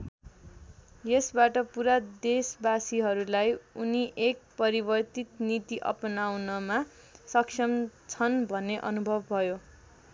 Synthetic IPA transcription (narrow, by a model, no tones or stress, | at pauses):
jesbaʈʌpuɾad̪esbasiɦʌɾulajuniʔek̚pʌɾibʌrt̪it̪nit̪iʔʌ̰pʌnawnʌma | sʌksʰʌmt͡sʰʌnbʱʌnːeʔʌ̰nubʱʌbːʱʌjo